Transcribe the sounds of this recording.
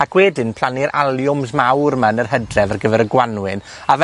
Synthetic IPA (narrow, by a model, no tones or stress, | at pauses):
aɡ̥wɛːdɪnpʰl̥ˠanɪɾʔalˠjʊmsmawrmanərhɦədrɛvarɡəvɛɾəɡwanwɨn | av